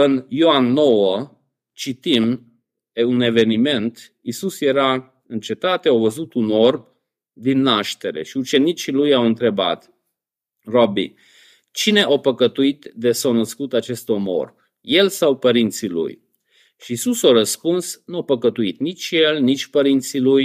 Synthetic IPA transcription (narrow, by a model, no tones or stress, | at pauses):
ɨnjoanːo̞wə | t͡ʃit̪im | une̞ve̞nime̞nt̪ | isusje̞ɾa | ɨnt͡ʃe̞t̪at̪eawvəzut̪unorm | d̪inːaʃt̪e̞ɾe̞̰ʃiut͡ʃe̞nit͡ʃilujawɨnt̪ɾe̞ba̰t̪ | robḭ | t͡ʃine̞ʔapəkət̪uit̪d̪esawnəskut̪at͡ʃe̞st̪omo̰r | je̞lsawpəɾint̪silṵj | ʃiːsusaɾəspunsnuapəkət̪uit̪nit͡ʃʲje̞lnit͡ʃʲpəɾint̪siluj